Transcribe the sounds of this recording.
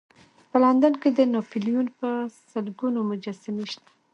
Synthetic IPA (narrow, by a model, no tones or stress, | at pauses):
pəland̪anked̪ənofilijunpəsəlɡunomʊd͡ʒasaniʃt̪ḁ